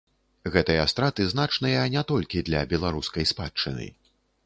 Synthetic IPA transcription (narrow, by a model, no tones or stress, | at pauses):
ɣɛt̪ɨjɐst̪ɾat̪ɨznat͡ʂnɨjɐnʲɛt̪ɔlʲkʲid̪lʲɐbʲɛlˠaɾuskɐjspat͡ʂːɨ̰nɨ̰